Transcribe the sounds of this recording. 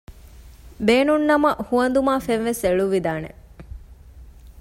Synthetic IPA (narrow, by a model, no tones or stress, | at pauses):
beːnunːɐmɐʔhuɐnd̪umaːfenʋeseɭuʋid̪aːnḛ